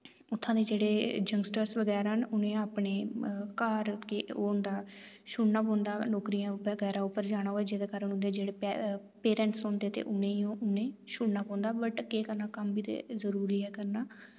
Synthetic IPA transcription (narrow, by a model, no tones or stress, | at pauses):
ʊt̪ʰːãːd̪eːd͡ʒeːɽeːd͡ʒəŋɡsʈəɾsʋəɡɛːɾənʊnẽːaːpɳeːkaːɾkeoːnd̪aː | ʃʊɽnaːp̬ɔ̃ːnd̪aːloːkɾijãːbəɡɛːɾaːʊpəɾd͡ʒaːɽ̃aːɦoːɛːd͡ʒeːd̪eːkəɾənʊ̃nd̪eːd͡ʒeːɽeː | peːɾɛ̃ːɳʈsõːnd̪eːt̪ḛːʔʊnẽːiːõːʊnẽːʃʊɽnaːpɔ̃ːnd̪aːbəʈkeːkəɾnaːkəmbiːt̪ḛːzəɾuːɾiːɛːkəɾnaː